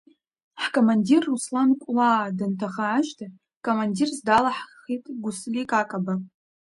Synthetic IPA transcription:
ħkʰʼomandirːuslankʷʼlaːdɨntʰaχaːʒdʰa | kʼomandirzdalaħχitʼɡʷʊslʲikʼakʼaba

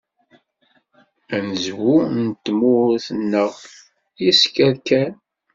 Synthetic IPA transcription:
ænəzwunt̪ːmʊɾθənːəʁ | jiskæɾkæn

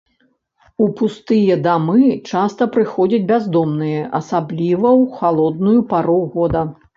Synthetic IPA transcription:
upust̪ɨjɐd̪amɨt͡ʂast̪ɐpɾɨxɔd͡zʲɐd͡zʲbʲazd̪ɔmnɨjɐʔɐsablʲivɐwxalˠɔd̪̚nujupaɾɔwɣɔd̪ɐ

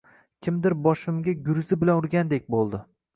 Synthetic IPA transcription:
kʲʰɪmd̪ɪɾbɒʃɪmɡʲaɡʲʊɾzɪbɪlanʊɾɡʲand̪ek̚ʲbolˠd̪ɪ

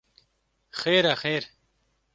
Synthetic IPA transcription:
xeːɾaxeːɾ

